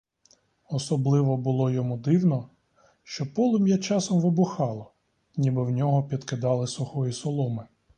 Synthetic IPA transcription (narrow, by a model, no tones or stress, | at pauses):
ɔsɔblˠɪʋɔbʊlˠɔjɔmud̪ɪwnɔ | ʃt͡ʃɔpɔlˠɪmjɛt͡ʃɑsɔmʋɪbʊxɑlˠɔ | nʲibɪwnʲɔɦɔpʲid̪kɪd̪ɑlˠɪsʊxɔjisɔlˠɔmɪ